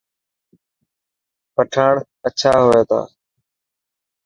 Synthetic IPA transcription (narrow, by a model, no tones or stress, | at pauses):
pəʈʰaːɽ | ət͡ʃʰaːɦoːeːt̪a̰ː